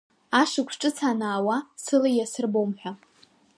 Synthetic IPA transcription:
aʂɨkʷʰʈ͡ʂʼɨt͡sʰanaːwasɨlajasɨrbowmħʷᶣa

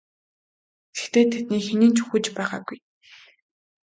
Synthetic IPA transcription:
sɘ̥̆xt̪eːt̪ʰet̪̚niːxeniːnt͡ɕɵ̥xŭːt͡ɕpæːʁa̰ːɡuj

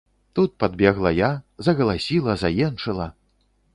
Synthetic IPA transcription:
t̪ut̪̚pad̪̚bʲɛɣlˠɐjazɐɣɐlˠasʲilˠɐzajɛnʂɨlˠɐ

